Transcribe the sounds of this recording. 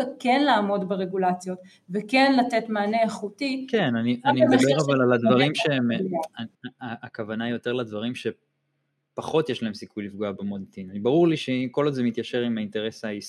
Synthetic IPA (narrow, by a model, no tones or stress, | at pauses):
ot̚kenlaːmo̞dbeʁe̞ɡulat͡sjo̞t̪ | vekenlatetmaːneaχutikenaniʔanimed̪abeʁavalalad̪vaʁimʃemaaːkavanaijo̞t̪e̞ʁlad̪vaʁimʃe̞ | paχo̞t̪jeʃlaemsikujlifɡoabemodet̪inanibaʁuʁliʃeko̞lodzemit̪jaʃe̞ʁimainte̞ʁe̞sais